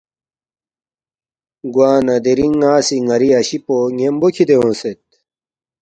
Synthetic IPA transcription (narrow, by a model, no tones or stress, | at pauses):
ɡwaːnɐd̪eɾiŋaːsiŋɐɾiɐɕipoŋembokʰid̪ewõːset̪̚